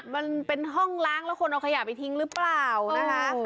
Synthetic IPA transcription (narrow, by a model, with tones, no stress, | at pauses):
ma˧npe˧nɦɔ˥˩ŋlaː˦˥˩ŋlɛː˦˥wkʰo˧nʔa˧wkʰa˧jaː˨˩pa˧˩jt̪ʰi˦˥ŋɾɯː˦˥plaː˨˩wna˦˥˧kʰa˦˥